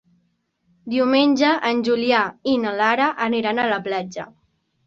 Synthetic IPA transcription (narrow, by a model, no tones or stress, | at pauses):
d̪iumenʲd͡ʒəʔənʲʒuliainəlaɾəʔəniɾanələplad͡ʒə̰